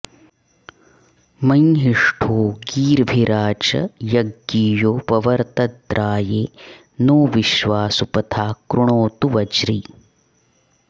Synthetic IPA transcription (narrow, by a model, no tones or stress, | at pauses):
mɐnɦiʂʈʰoːɡiːɾbʱiɾaːt͡ʃɐ̰jɐɡːiːjoːpɐʋɐɾt̪ɐd̪ɾaːjeː | noːʋiʃʋaːsupɐt̪ʰaːkɾuɳoːt̪uʋɐd͡ʒɾi